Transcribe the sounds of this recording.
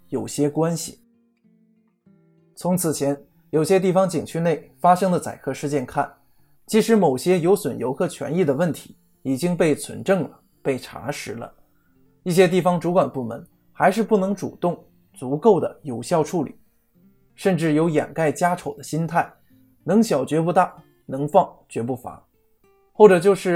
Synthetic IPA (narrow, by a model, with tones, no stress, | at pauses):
jo˨˩ʊɕjɛ˥kwa˥nɕḭ˨˩ | t͡sʰʊ˧˥ŋt͡sʰɹ̩˨˩t͡ɕʰjɛ˧˥n | jo˨˩ʊɕjɛ˥t̪̬i˥˩fɑ˧˥ŋt͡ɕi˨˩ŋt͡ɕʰy˥˧ne˥˩ɪfa˥ʂɤ˥ŋd̪ə˨t͡sa̰˨˩ɪkʰɤ˥˧ʂɻ̩˥˧t͡ɕjɛ˥˧nkʰa̰˥˩n | t͡ɕi˧˥ʂɻ̩˧˥mo˨˩ʊɕjɛ˥jo˧˥ʊswə˨˩njo˧˥ʊkʰɤ˥˧t͡ɕʰɥɛ̰˧˥ni˥˩d̪ə˩wə˥˩nt̪ʰi̥˧˥ | i˨˩t͡ɕi˥ŋpe˥˩ɪt͡sʰwə̰˧˥nʈ͡ʂɤ˥˩ŋlə̰˩ | pe˥˩ɪʈ͡ʂʰa̰˧˥ʂɻ̩˧˥lə̰˧ | i˥˩ɕ̬jɛ˥t̪̬i˥˩fɑ˩ŋʈ͡ʂu˧˥kwa˨˩npu˥˩mə̰˧˥n | xa˧˥ɪʂɻ̩˥˧pu˥˩nɤ˧˥ŋʈ͡ʂṵ˨˩t̪ʊ˥˩ŋ | t͡su˧˥ko˥˩ʊd̪ə̰˩jo˨˩ʊɕjɑ˥˧ʊʈ͡ʂʰu˥˩lḭ˨˩˦ | ʂə˥˧nʈ͡ʂɻ̩˥˩jo˧˥ʊjɛ̰˨˩nka˥˩ɪt͡ɕja˥ʈ͡ʂʰo˨˩ʊd̪ə˦ɕi˥nt̪ʰa˥˩ɪ | nɤ˧˥ŋɕjɑ˨˩ʊt͡ɕɥɛ˧˥p̬u˥˧t̪a˥˩ | nɤ˧˥ŋfɑ˥˩ŋt͡ɕɥɛ˧˥p̬u˥˩fa̰˧˥ | xwɔ˥˩ʈ͡ʂɤ˨˩t͡ɕjo˥˧ʊʂɻ̩˥˩